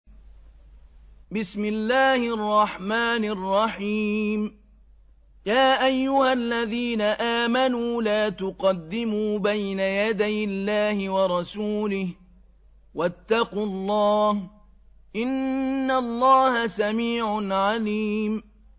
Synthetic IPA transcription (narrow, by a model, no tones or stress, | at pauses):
bɪsmɪlːaːhɪʔɑrˤːɑħmaːnɑrˤːɑħiːm | jaːʔajːʊhalːaðiːnaʔaːmanuːlaːt̪ʊqɑd̪ːɪmuːbajnajad̪ajʔɪlːaːhɪwɑɾˤɑsuːlɪh | wat̪ːɑqʊlˤːɑːh | ʔɪnːalˤːɑːhasamiːʕʊnʕaliːm